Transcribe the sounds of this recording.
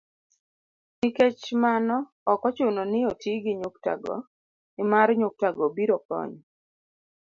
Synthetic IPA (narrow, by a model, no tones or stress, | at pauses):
niket͡ʃmanɔ | ɔkɔt͡ʃʊnɔnɪotʰiɡɪɲʊkta̰ɡɔ̰ | ɪmaɾɲʊk̚taɡɔbiɾɔkɔ̰ɲ